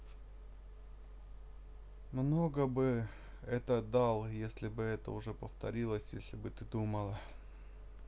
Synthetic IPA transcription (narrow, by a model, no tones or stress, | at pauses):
mno̞ɡəbɨ | ɛt̪əd̪ɑlˠjesʲlʲɪbɨɛt̪ə̰ʊʐɛpəft̪ɐɾʲilˠəsʲjesʲlʲɪbɨt̪ɨd̪uməlˠə